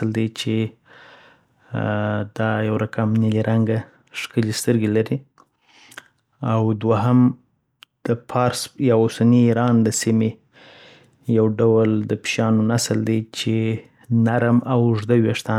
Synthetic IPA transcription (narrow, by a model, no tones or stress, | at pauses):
ld̪et͡ʃe | d̪̥ɑjawɾakamniliɾʔaŋɡa | ʃkəlest̪əɾɡelaɾi | awd̪waɦam | d̪̥əpʰɑɾsjɑosaniːɾɑnd̪əsime | jawɖawəld̪əpʃjɑnonasəld̪et͡ʃe | naɾmawʐd̪aweʂt̪ɑ